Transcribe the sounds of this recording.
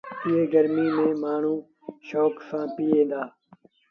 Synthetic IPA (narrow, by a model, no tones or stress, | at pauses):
pijeːɡəɾmiːmẽːmaːɳ̤ũː | ʃoːksãːpiːẽːd̪aː